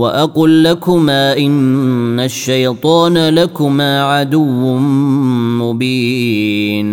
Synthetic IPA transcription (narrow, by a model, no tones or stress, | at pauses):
waʔɑqʊlːakʊmaːʔɪnːaʃːajt̪ˤɑːnalakʊmaːʕad̪ʊwːʊ | mʊbiː | n